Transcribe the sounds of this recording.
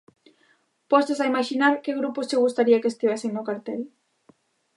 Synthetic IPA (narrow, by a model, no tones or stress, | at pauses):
pɔst̪esaimaʃinaɾkeɣɾupʊst͡ʃɪɣust̪aɾiakeːst̪iβ̞eseŋnʊkaɾt̪ɛl